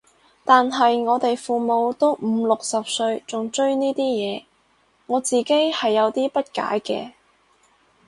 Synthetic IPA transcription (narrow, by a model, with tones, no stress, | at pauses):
t̪aː˨nɦɐ˨jŋɔː˨˧t̪e˨jfuː˨˩mo˨˧wt̪o˥wm̩˨˧lʊ˨k̚sɐ˨p̚sɵ˧ɥt͡ʃʊ˨ŋt͡ʃɵ˥ɥniː˥t̪iː˥jɛː˨˧ | ŋɔː˨˧t͡siː˨ke˥jhɐ˨jːɐ˨˧wt̪iː˥pɐ˥t̚ka̰ː˨˥jkɛ̰ː˧